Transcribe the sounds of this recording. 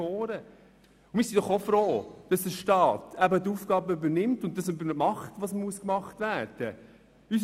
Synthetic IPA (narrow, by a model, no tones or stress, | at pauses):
ɔːɾə | ʊmɪːsind̥ɔχofɾoːd̥ɑsdəʃtɑːtʰæbətuːfɡ̥ɑːbəybəɾnɪmtʊnttːɑsybəɾmɑχtʋɑsmuəskmɑχtvæːɾd̥ə | ys